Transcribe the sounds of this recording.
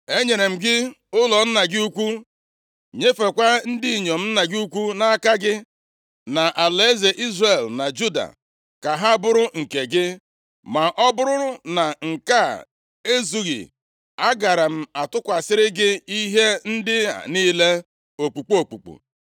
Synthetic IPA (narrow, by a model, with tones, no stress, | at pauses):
e˦ɲe˨ɾe˨m̩˨ɡɪ˦ | ʊ˦lɔ˨n̩˦na˨ɡɪ˦u˦kʷu˦ | ɲe˦fe˨kʷa˦n̩˦di˦i˨ɲo˨m̩˦na˨ɡɪ˦u˦kʷu˦na˦a˦˨ka˦ɡɪ˦ | na˨ʔa˨le˨˦ze˨ʔi˦zre˨lna˨d͡ʒu˦da̰˨ | ka˨ɦa˦bʊ˦ɾʊ˦ŋ̩˨ke˨ɡɪ˦ | ma˨ʔɔ˦bʊ˦ɾʊ˦ɾʊ˦na˨ŋ̩˨ka˦˨ | e˦zu˦ɣḭ˨ | a˦ɡa˨ɾa˨m̩˦a˨tʊ˦kʷa˨sɪ˦ɾɪ˦ɡɪ˦i˦ɦe˦n̩˦dɪ˦a̰˨ni˦le˦ | o˨k͡pu˨k͡po˨k͡pu˨k͡pṵ˨